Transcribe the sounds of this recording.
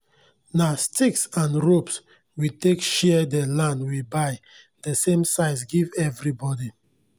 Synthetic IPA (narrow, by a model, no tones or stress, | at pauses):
nastʰiksãnɹops | witekʃɛdɛlãndwibaɪ | dəsẽmsaɪs̬ɡivɛvɹibɔdi